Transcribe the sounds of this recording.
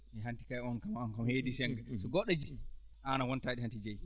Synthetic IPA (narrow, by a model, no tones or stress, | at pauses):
ʔɛɦanti̥kajɔnkamaɔnkamheːdisɛŋɡɛsɔɡɔɗɔd͡ʒi | ʔanawɔntaːɗihantid͡ʒɛj